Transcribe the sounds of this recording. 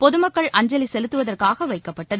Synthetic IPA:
pɔðɯmɐkːɐɭʔɐɲd͡ʒɐlisɛlɯt̪ːɯʋɐðɐrkaːɣɐʋɐɪkːɐpːɐʈːɐð

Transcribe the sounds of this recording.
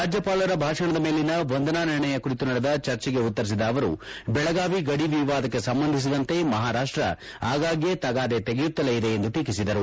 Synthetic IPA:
ɾaːd͡ʒjɐpaːlɐɾɐbʱaːʂɐɳɐd̪ɐme̞ːlinɐʋond̪ɐnaːniɾɳɐjɐkuɾit̪unɐɽed̪ɐt͡ʃɐɾt͡ʃɛɡe̞ut̪ːɐɾis̬id̪ɐːʋɐɾṵ | bɛɭɐɡaːʋiɡɐɽiʋiʋaːd̪ɐkːe̞sɐmbɐnd̪ʱis̬id̪ɐnt̪e̞mɐɦaːɾaːʂʈɾɐ̰ | aːɡaːɡjet̪ɐɡaːd̪e̞t̪eɡejut̪ːɐleːjid̪e̞ːnd̪uʈiːkisid̪ɐɾu

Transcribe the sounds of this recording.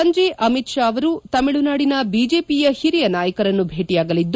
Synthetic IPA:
ɐɲd͡ʒeʔɐmit̪ʃaːɐʋɐɾut̪ɐmiɭunaːɽinɐbiːd͡ʒeːpijɐhiɾijɐnaːjɐkɐɾɐnːubʱeːʈijaːɡɐlid̪ː

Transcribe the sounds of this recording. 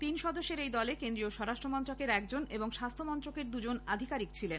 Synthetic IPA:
t̪inʃɔd̪oʃːeɾejd̪ɔlekend̪ɾioʃɔɾaʃʈɾomɔnt̪ɾokeɾɛk̚d͡ʑoneboŋʃast̪ʰomɔnt̪ɾokeɾd̪ud͡ʑonad̪ʱikaɾikt͡ɕʰilen

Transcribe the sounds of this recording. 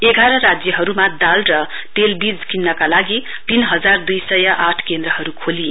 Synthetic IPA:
eɡʱaɾʌrad͡zjʌɦʌɾumad̪alrʌ | pelbid͡zkinːʌkalaɡi | t̪inɦʌd͡zard̪ujsʌjaʔaʈʰkend̪rʌɦʌɾukʰoli

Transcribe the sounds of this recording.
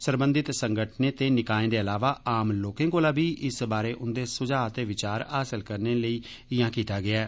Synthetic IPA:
səɾbənd̪ɪt̪səŋɡəʈʰneːt̪eːnɪkaːẽːd̪eːəlaːʋaːaːmloːkẽːkoːlaːbiːʔɪsbaːɾeːʔʊnd̪eːsʊd͡ʒaːət̪eːʋɪt͡ʃaːɾaːsəlkəɾneːləiː | ɪjãːkiːt̪aːɡɪaː

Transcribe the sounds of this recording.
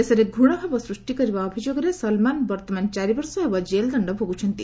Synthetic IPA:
esɐɾeɡʱuɽ̃ɔɦebɔsɾuʂʈikɔɾibaːbʱid͡ʒoɡɾesɐlmanbɐɾt̪ɔmant͡ʃaɾiʋɔɾsɔɦebɔd͡ʒeld̪ɐɳɖɔɦoɡut͡ʃʰʌnt̪i

